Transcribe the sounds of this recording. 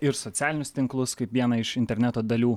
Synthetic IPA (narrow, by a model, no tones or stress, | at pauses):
ɪɾsɔt̪sʲæːlʲɪnʲʊst̪ʲɪŋklˠʊskɐɪpʋʲiɛnɐɪʃɪnʲt̪ʲɛɾʲnʲɛt̪oːd̪ɐlʲuː